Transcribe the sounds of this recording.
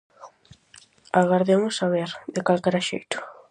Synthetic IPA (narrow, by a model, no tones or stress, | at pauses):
aɣaɾðemʊsaβeɾðɪkalkɛɾaʃḛjt̪ʊ̥